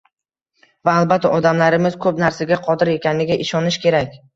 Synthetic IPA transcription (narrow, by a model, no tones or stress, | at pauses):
vaːlˠbat̪ʰːaʔɒd̪amlaɾɪmɪz̥kʰɵpnaɾsaɡʲaqʰɒd̪ɪɾje̞kʲanlɪɡʲaʔɪʃɒnɪʃkʲʰe̞ɾakʲ